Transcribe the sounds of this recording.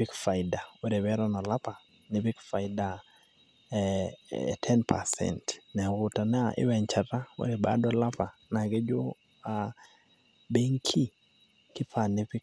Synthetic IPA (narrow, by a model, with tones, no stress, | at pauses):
pi˦kfa˨ɪda˨we˦ɾe˨bɛ˦ɾɔ˦nɔ˨la˦pa˨ | nɪpi˦kfa˨ɪda˨ | tʰɛ˦npʰa̰˨sɛ̰ntnɛ˨ɣʊ˨ta˨nɛ˦aʔɪ̰˦wɛ˨ɲt͡ʃa˨ta˦wḛ˨ɾe˨ba̰˦dɔla˦pa˨na˨ɡe˦d͡ʒo˦ | a˨ | be˦ŋkʰi˦ | kɪ˦pʰa˨nɪ˨pi˦